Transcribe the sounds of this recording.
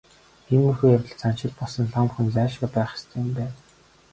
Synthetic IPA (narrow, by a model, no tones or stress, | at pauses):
xenːɵrxuːjawʲɪ̆ɮt͡sʰan̥t͡ɕɪ̆ɮpɔɮsɞ̆nɮamxɘ̆nt͡sæːʃɡăpæːχɪ̥st̪̆ʰːjʊmpæːn